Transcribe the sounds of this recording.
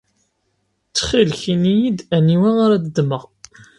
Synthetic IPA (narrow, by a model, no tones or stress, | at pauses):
t͡sːχilçinijid̪æniwæʁaɾæd̪əd̪məʁ